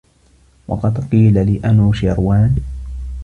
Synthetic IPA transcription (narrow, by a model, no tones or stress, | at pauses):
wɑ̰qɑd̪qiːlalɪːʔanuːʃaɾwaːn